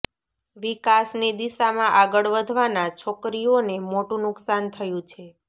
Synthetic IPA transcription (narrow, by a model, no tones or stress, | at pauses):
ʋikasned̪iʃamãʔaɡəɭʋəd̪ʱʋanat͡ʃʰokɾionemoʈũnʊksant̪ʰəjũt͡ʃʰe